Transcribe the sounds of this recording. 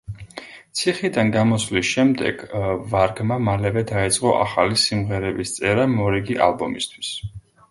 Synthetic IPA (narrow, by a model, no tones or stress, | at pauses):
t̪sʰiχid̪anɡamɔslisʃɛmd̪ɛ̰ɡ̥vaɾɡmamalɛvɛd̪ait̪sʼqʼɔʔa̰χalisimʁɛɾɛbist̪sʼɛɾamɔɾɛɡiʔa̰lbɔmist̪ʰw̥i̥s